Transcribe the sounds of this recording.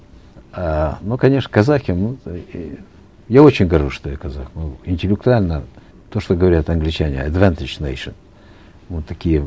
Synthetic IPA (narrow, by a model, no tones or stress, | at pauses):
anokɐnʲe̞ʂnəkɐzaxʲɪmu | jao̞t͡ɕɪnʲɡɐɾʐuʂt̪ojakɐzaxmɨɪnʲtʲɪlʲɪk̚t̪ʊalʲnə | t̪o̞ʂt̪oɡəvɐɾʲat̪ɐnɡlʲɪt͡ɕænʲɪ̰ɐd̪vanʲt̪ʲɪd͡ʒnejʂən | mut̪ːɐkʲijə